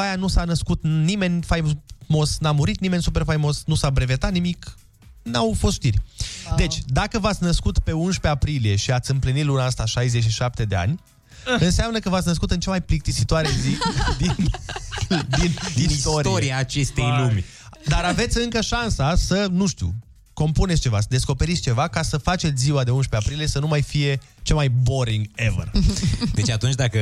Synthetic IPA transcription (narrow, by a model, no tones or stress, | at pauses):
ajanusanəskut̪nime̞nʲfajmo̞snamuɾit̪nime̞nʲsupe̞rfajmo̞snusabɾe̞ve̞t̪at̪nimik | nawfost̪ʃt̪irʲd̪e̞t͡ʃʲd̪akəvat̪sʲnəskut̪pe̞unʃpe̞apɾilije̞ʃiat̪sʲɨmplinit̪lunaast̪aʃajzet͡ʃʃiʃap̚t̪e̞d̪e̞a̰nʲ | ɨnseamnəkəvat̪sʲnəs̬kut̪ɨnt͡ʃamajplik̚t̪isit̪oaɾezid̪in | d̪ind̪ist̪oɾioɾiaːt͡ʃe̞st̪ejlumʲ | d̪aɾave̞t̪sʲɨŋkəʃansasənuʃt̪ʲjṵ | ko̞mpunetsʲt͡ʃe̞vasəd̪e̞sko̞pe̞ɾit̪sʲt͡ʃe̞vakasəfat͡ʃesʲziwad̪e̞unʃpeapɾilije̞sənumajfije̞ | t͡ʃelmajbo̞ɾiŋɡe̞və̰rd̪e̞t͡ʃat̪unt͡ʃʲd̪akə